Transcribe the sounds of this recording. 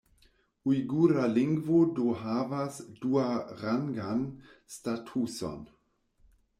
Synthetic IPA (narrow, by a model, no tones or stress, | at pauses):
uiɡuːɾalɪŋɡvodoɦaːvasd̥uːaʁaŋɡanstatʰusɔ̰n